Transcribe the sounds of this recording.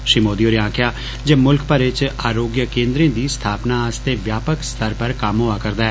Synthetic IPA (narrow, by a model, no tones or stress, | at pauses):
ʃimoːd̪ioːɾiãːkʰɪjaː | d͡ʒeːmʊlkpəɾɪt͡ʃaːɾoːɡjəkẽːnd̪ɾẽːd̪iːst̪ʰaːpnaːast̪eːʋjaːpəkst̪ʰəɾpəɾkamɦoaːkəɾd̪aːɛː